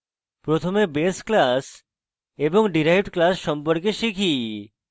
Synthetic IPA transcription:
pɾot̪ʰomebesklas | eboŋɖiɾejʈklasʃɔmpoɾkeʃikʰi

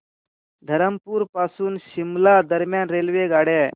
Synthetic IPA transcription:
d̪ʱɐɾəmpuːɾpaːsuːnʃɪmlad̪əɾmjaːnɾeːlʋeɡaːɽe

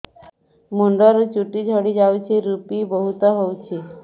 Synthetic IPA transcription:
muɳɖɔɾt͡ɕuʈid͡ʑʱəɽid͡ʑawt͡ɕeɾupibəɦut̪əɦowt͡ɕʰi

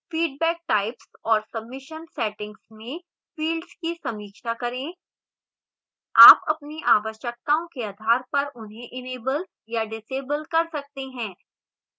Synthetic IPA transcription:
fiːɖ̚bɛːk̚ʈaːɪpsɔːɾsɐbmɪʃənsɛːʈɪ̃ŋɡsmẽ | fiːlɖzkisɐmiːkʃakɐɾẽ | aːpɐpniʔaːʋəʃjək̚t̪aõkeaːd̪ʱaːɾpɐɾʊnɦẽʔɪneːbəl | jaɖɪseːbəlkɐɾsɐk̚t̪eɦɛ̃ː

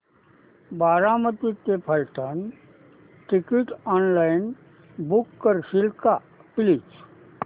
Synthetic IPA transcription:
baːɾamət̪ik̪epʰəlʈən | ʈɪkiʈɔːnlaɪn | bukːəɾsɪlka | pɪlit͡ʃ

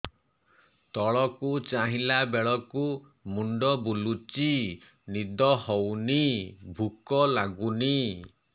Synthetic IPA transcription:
t̪ɔɭɔkut͡ʃaɦilabeɭɔku | muɳɖɔbulut͡ʃi | nid̪ɔhɔwnibʱukɔlaɡuni

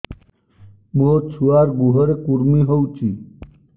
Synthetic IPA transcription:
mot͡ʃʰuaɾɡuɦɔɾekuɾmiɦowt͡ʃʰi

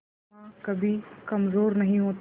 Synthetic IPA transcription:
akɐbʱikɐmzoːɾnɐɦĩɦoːt̪

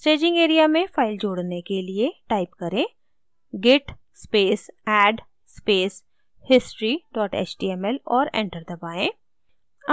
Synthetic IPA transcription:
sʈeːd͡ʒɪ̃ŋɡeːɾijamẽfaːɪld͡ʒoːɽnekelieʈaːɪpkɐɾẽː | ɡɪʈ | speːsɛːɖ | speːs | hɪsʈɾiɖɔːʈḛːt͡ʃʈiːɛmɛlɔːɾɛ̰̃ːɳʈəɾd̪ɐbaːẽː | ɐ

